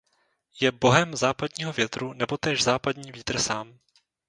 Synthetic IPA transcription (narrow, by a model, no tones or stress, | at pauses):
jɛbo̞ɦɛmzaːpadɲiːɦo̞vjɛt̪ɾunɛbo̞t̪ɛːʒzaːpadɲiːviːt̪r̩saːm